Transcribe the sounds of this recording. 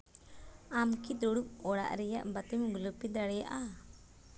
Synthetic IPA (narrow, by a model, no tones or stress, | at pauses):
amkid̪ɔɽup̚ɔɽa̰ʔɾɛjaʔbat̪imɡulupid̪aɽɛjaʔa